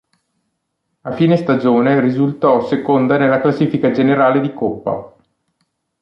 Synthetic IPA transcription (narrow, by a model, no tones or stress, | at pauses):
afiːnest̪ad͡ʒoːnerizult̪ɔsekond̪anelːaklasːiːfikad͡ʒeneɾaːled̪ikopːa̰